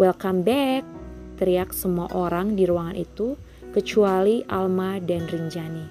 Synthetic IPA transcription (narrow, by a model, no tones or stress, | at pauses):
wɛlkambɛk̚t̪əɾiak̚səmuaʔoɾaŋdiɾuaŋanʔit̪u | kət͡ʃualiʔa̰lmadanriɲd͡ʒani